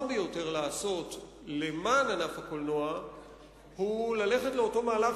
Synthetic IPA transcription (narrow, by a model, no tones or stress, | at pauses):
bejo̞te̞ʁlaːso̞t | le̞maːnanafhakolno̞a | hulale̞χetleo̞to̞maːla